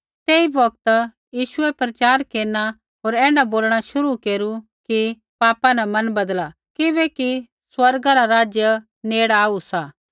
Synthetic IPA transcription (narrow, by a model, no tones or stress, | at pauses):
t̪eːibɐk̚t̪ | jiːʃʊɛpɾɐt͡ʃaːɾkeːɾna | ɦoːɾɛ̃ːɖaboːlɽ̃aʃʊɾukeːɾuki | paːpãnɐmɐnbɐd̪la | kɪbɛki | swɐɾɡaɾaɾaːd͡ʒjə | neːɽaːusaː